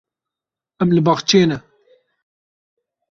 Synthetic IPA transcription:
ɛmlɨbɑχt͡ʃeːnɛ

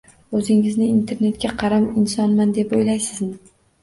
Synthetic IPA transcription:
ɵzɪŋɪznɪːnt̪ʰe̞ɾne̞t̪̚kʲaqʰɑɾamɪnsɒnmand̪e̞pojlajsɪzmɪ

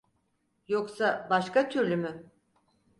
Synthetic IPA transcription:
jo̞ksabaʃkat̪ʰyɾlʲymy

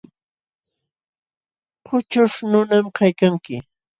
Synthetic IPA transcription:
qʰʊt͡ʃʊʂnʊnamkajkaŋkɪ

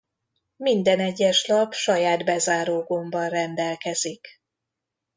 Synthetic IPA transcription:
mind̪ɛnɛɟːɛʃlɒpʃɒjaːd̪bɛzaːɾoːɡombɒnrɛnd̪ɛlkɛzik

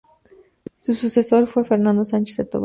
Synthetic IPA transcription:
sususesoɾfwefeɾnãnd̪osant͡ʃe̥set̪o̰β

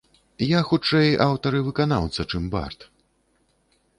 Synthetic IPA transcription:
jaxut͡ʂɛjʔawt̪ɐɾɨvɨkana̰wt̪sɐt͡ʂɨmba̰rt̪

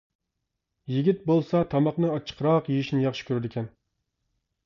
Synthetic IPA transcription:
jiɡʲit̪̚bolˠsɑt̪ʰɑmɑχnɨɑt͡ʃʰːə̥qʰɾɑqjijiʃnɪjɑχʃɪ̥kʲʰøɾɪd̪ɪkʲʰɛn

